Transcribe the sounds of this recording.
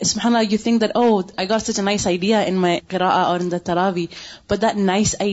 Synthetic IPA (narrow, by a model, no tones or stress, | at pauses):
sʊb̥ħaːnɑlɑjɨθɪ̃ŋk̚ðætʔoʊaɪɡɑtsʌt͡ʃənaɪsaɪd̪iːaʔɪ̃nmajqɨɾɑːʔaʔəɪ̃nðət̪ːɑɾˤɑːvib̥ʌt̪̚ðæt̚naɪsaɪ